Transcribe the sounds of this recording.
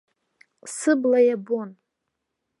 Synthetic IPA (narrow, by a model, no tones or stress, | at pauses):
sɨblajabon